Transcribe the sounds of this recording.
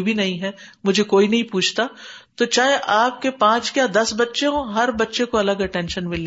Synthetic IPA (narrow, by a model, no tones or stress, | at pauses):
bʱinɐɦĩɦɛmʊd͡ʒʱekoːinɐɦĩpuːt͡ʃʰt̪at̪ot͡ʃaːɦeʔaːp̚kepãːt͡ʃkjaːd̪ɐsbɐtːʃekõɦɐɾbɐtːʃekoɐləɡɐʈɛ̃ːnʃənmɪle